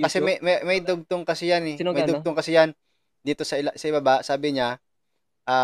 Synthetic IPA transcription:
kɐsɛmɐjmɐmɐjd̪oɡ̚t̪oŋkɐsɪjanɛmɐjd̪ʊɡ̚t̪oŋkɐsɪjan | d̪iːt̪o̞sɐɪsɐʔɪbɐbaʔsaːbɪɲa | ʔaː

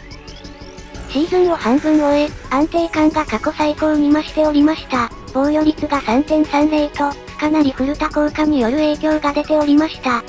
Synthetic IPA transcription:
ɕibɯ̟̃ɰ̃o̞hãmbɯ̟̃ɰ̃o̞eãnt̪e̞ːkãŋɡakako̞saiko̞ːmʲimaɕi̥t̪e̞o̞ɾʲimaɕi̥t̪a | b̥õ̞ɰ̃jo̞ɾʲit͡sɨɡasãnzẽ̞ɰ̃sãnɾe̞it̪o̞ | kanaɾʲiɸɯ̟ɾɯ̟t̪akoːkam̟ʲijo̞ɾɯ̟e̞ːkʲo̞ːɡad̪e̞t̪e̞oɾʲimaɕi̥t̪a

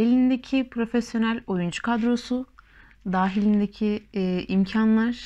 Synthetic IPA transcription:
elʲind̪ecʰipʰɾo̞fesjo̞nælʲojund͡ʒu̥kʰad̪ɾo̞su | d̪aːɦilʲind̪ecʰiimcʰanlˠaɾ̥

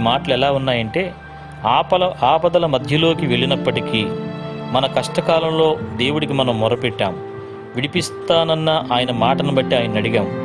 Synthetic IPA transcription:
maːʈɐlɛlaːunːaːjɐɳʈe̞ː | aːpɐlɐaːpɐd̪ɐlɐmɐd̪ʱjɐlo̞ːkiʋe̞ɭinɐpːɐʈikiːmɐnɐkɐʂʈɐkaːlɐmlo̞ːd̪e̞ːwuɽikimɐnɐmːɔɾɐpɛʈːa̰ːm | ʋiɽipist̪aːnɐnːɐʔaːjɐnɐmaːʈɐnɐbɐʈːiaːjɐnːɐɽiɡaːmu

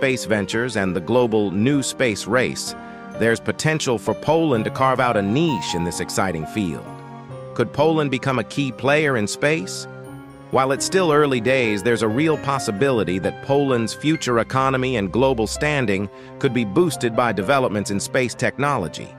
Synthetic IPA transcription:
speɪsvɛ̃nt͡ʃə˞zɨ̃nðɨɡloʊbl̩ˠnʉspeɪsɹeɪs | ðə˞z̥pʰɨtʰɛ̃nʃl̩ˠfə˞pʰoʊlˠə̃ntɨkʰɑɹvaʊɾɨniʃɨ̃nðɪsɨksaɪɾɪ̃ŋfḭlˠd̥̚ | kʰɨd̚pʰoʊlˠə̃nbɨkʰʌ̃mɨkʰipʰl̥eɪə˞ɨ̃nspeɪs | wʔaɪlˠɨtstɪlˠɜ˞lˠideɪzðə˞zəɹilˠpʰɑsɨbɪlˠəɾiðɨt̚pʰoʊlˠə̃ndz̥fjʉt͡ʃə˞ɨkʰɑnɨmiɨ̃nɡloʊbl̩ˠstæ̃ndɪ̃ŋ | kʰɨd̚bibustɨd̚baɪdɨvɛlˠəp̚mɨ̃ntsɨ̃nspeɪstʰɛk̚nɑlˠə̰d͡ʒḭ

